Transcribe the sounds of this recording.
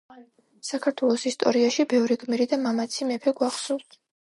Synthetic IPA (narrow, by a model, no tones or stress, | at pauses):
sakʰaɾt̪ʰwɛlˠɔsist̪ʼɔ̰ɾiaʃibɛvɾiɡmiɾid̪amamat̪sʰimɛpʰɛɡwaχsulˠt̪ʰ